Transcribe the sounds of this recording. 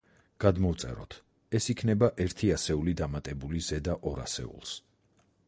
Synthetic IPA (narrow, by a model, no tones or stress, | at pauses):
ɡ̥ad̪mɔvt̪sʼɛ̰ɾɔ̰t̪ʰ | ɛsikʰnɛbaʔɛɾt̪ʰiasɛulid̪amat̪ʼɛbulizɛd̪aʔɔɾa̰sɛ̰ṵlˠs